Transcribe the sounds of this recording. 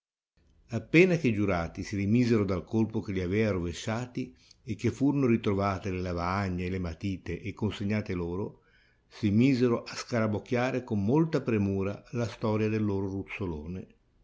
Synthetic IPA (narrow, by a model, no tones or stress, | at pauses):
apːɛːnak̟ed͡ʒuɾaːt̪isiɾimiːzeɾod̪alkolpok̟eʎiavɛːaɾoveʃːaːt̪iek̟ːefːuːɾonoɾit̪ɾovaːt̪elelavaaɲːeːlemat̪iːt̪eʔːkːonseɲːaːt̪eloːɾo | simiːzeɾoʔaskaɾabok̟ːjaːɾekomːolt̪apɾemuːɾalast̪ɔːɾjad̪elːoːɾorut̪sːoloːne